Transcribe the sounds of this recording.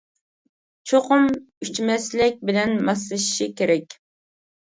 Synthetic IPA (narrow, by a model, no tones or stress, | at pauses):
t͡ʃʰoqʊm | yt͡ʃmɛslɪk̚ʲbɪlɛnmɑslˠɨʃi̥ʃikʲeɾɛkʲ